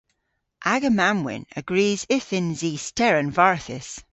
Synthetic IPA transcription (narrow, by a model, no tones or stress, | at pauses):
ʔaɡəmamwɪ̰̃nə̰ɡɹiːzɪθɪ̃nziːstʰɛɹə̃nvaɹθɪs